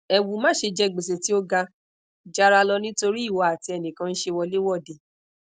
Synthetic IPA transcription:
ɛ˨wu˨mãː˦˨ʃe˧d͡ʒɛ˦˨ɡ͡be˨s̬e˨ti˦o˦ɡa˧ | d͡ʒa˦ɾa˧lɔ˧nĩ˦to˧ɾi˦i˦˨wɔ˨˦a˨ti˧ɛ˧˨nĩ˨kã˧n̩˦ʃe˧wɔ˧le˦wɔ˦˨de˨

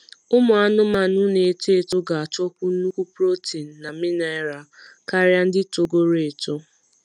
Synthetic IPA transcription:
ʊ˦mʊ˨a˦nʊ˦ma˨nʊ˦ne˨e˨te˨to˦ɡa˨a˨tɔ˦kʷʊ˦n̩˦nu˦kʷu˦pɾo˦ti˨n̩˨na˨mɪ˦na˦ɪ˦ɾa˨ka˦ɾja˦n̩˦dɪ˦to˨ɡo˦ɾe˨tʊ˦

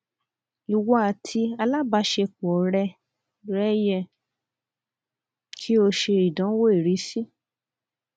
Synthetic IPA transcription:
i˨wɔ˨˦a˨tʰi˧a˧la˦ba˨˦ʃe˧k͡pɔ˨ɾɛ˧ | ɾɛ˦jɛ˧˨ | kʰi˦o˧ʃe˧i˨dã˨˦wo˦i˨ɾi˨˦si˦

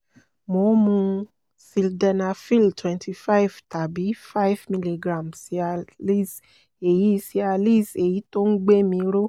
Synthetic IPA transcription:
mo˧˦mũ˧ | si˧ldɛ˧na˧fi˦˨ltʰwɛ̃˧ntʰi˧fa˦i˨vta˨bi˨˦fa˦i˦vmĩ˧li˧ɡɾã˨msi˨˦a˧li˦˨s | e˨ji˨˦˧si˧˦a˧li˦˨se˨ji˨˦to˦n̩˦ɡ͡be˦mĩ˧ɾo˦

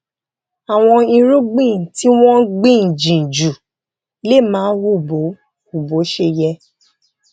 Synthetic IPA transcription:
a˨w̃ɔ̃˧i˧ɾu˦ɡ͡bĩ˦˨ti˦w̃ɔ̃˦ɡ͡bĩ˦˨n̩˨d͡ʒĩ˨n̩˨d͡ʒu˨ | le˦˨mãː˨˦wu˦˨bo˨˦ | u˨bo˨˦ʃe˧jɛ˧

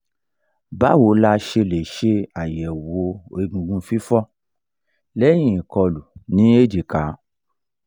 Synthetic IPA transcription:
ba˦wo˨˦la˦˧ʃe˧le˨ʃe˧a˨jɛ˨wo˧e˧˨ɡũ˧ɡũ˧fi˦fɔ˦ | lɛ˦j̃ĩ˨i˨kɔ˧lu˨nĩ˨˦e˦˨d͡ʒe˨ka˨˦

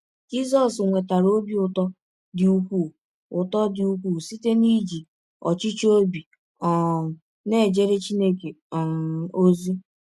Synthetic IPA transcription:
d͡ʒi˦zɔ˦sŋʷe˨ta˨ɾo˦bi˦ʊ˦˨tɔ˦ | dɪ˨u˦kʷu˦˨ | ʊ˨tɔ˦dɪ˨u˦kʷu˦˨si˦te˦ni˦d͡ʒi˨ | ɔ̰˨t͡ʃi˦t͡ʃo˦bi˨ | ɔ˨ | ne˦˨d͡ʒe˦ɾe˦t͡ʃi˦ne˦ke˨ | o˦zi˦

